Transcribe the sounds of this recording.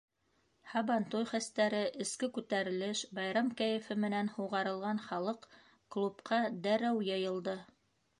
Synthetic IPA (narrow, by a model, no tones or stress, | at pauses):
hɑbɑnt̪ujχæst̪æɾɘʔɘ̆skɘkʉt̪æɾɘ̆lɘʃbɑjɾɑmkæjɘ̆fɘmɘ̆nænhuʁɑɾɤ̆lˠʁɑnχɑlˠɤq | klˠupqʰɑd̪æɾæwjɤ̆jɤ̆lˠd̪ɤ